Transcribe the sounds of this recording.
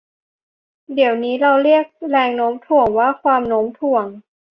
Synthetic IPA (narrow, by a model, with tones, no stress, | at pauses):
di˨˩˦əwniː˦˥ɾa˧wɾi˥˩ək̚ɾɛː˧ŋnoː˦˥mt̪ʰu˨˩əŋwaː˥˩kʰwaː˧mnoː˦˥mt̪ʰu˨˩əŋ